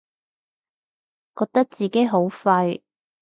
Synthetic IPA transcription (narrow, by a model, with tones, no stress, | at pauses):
kɔː˧k̚t̪ɐ˥k̚t͡siː˨ke˨˥jɦo˨˥wfɐ˧j